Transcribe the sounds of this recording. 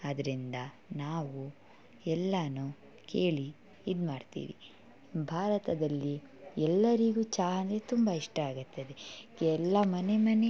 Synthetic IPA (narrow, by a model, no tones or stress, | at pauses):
ɐd̪ɐɾind̪ɐ | naːʋu | ɛlːɐnu | kʰe̞ːɭi | id̪maːɖt̪ḭːʋḭ | bʱaːɾɐt̪ɐd̪ɐlːi | ɛlːɐɾiɡuːt͡ʃaːɦɐnd̪et̪umbɐiʂʈɐaːɡut̪ːɐd̪eɡɛlːɐmɐne̞mɐne̞